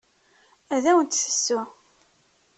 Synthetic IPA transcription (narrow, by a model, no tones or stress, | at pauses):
æðæwənt̪sə̥sːʊ